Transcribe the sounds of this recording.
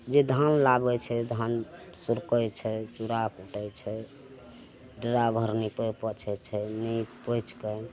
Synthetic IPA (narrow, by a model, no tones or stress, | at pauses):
d͡ʒed̪ʱanlabɛt͡ʃʰɛd̪ʱansuɾkəjt͡ʃʰɛt͡ʃuɾakuʈəjt͡ʃʰɛ | ɖəɾabʱəɾnipəpət͡ʃʰɛt͡ʃʰɛnipəjt͡ʃkə